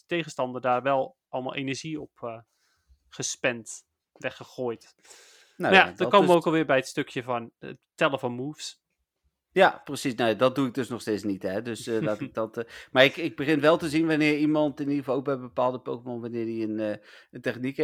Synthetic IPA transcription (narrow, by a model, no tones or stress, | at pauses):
ətejχənstɑndəɹdaːɹʋɛlˠ | ʔɑlˠma̰lˠʔḛjnəɹʒiɔpː | χəspɛnt | ʋɛχəχoːjt | najadəkowməʋowkkɑlˠʋɪːɹbɛjətstɵkjəvɑnə̰ttɛləvɑnmufs | japrəsisnawjadɑd̚duɪɡ̚dɵsnɔχsteːtsnitɦɛdɵsdatɪk̚dɑtmaːɹɪkɪɡ̚bəχɪnʋɛlˠtəzinʋɑnɪːɹimɑntɪnidəəvɑlˠok̚bɛjbəpaːlˠdəpowχəmɔnʋanɪːɹdiənəntɛχnik